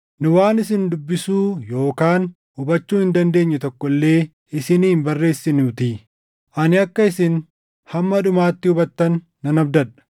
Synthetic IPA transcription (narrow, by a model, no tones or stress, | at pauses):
nʊwaːnɪsɪnd̪ʊbːɪsuːjo̞ːkaːn | ʊbɐt͡ʃːuːhɪnd̪ɐnd̪e̞ːɲːɛt̪ɔkːɔlːe̞ː | ɪsɪniːmbɐrːe̞ːsːɪnut̪iː | ʔɐnɪɐkːɐɪsɪn | hɐmːɐᶑʊmaːt̪ːɪʊbɐt̪ːɐnː | ɐnɐbd̪ɐᶑɐ̥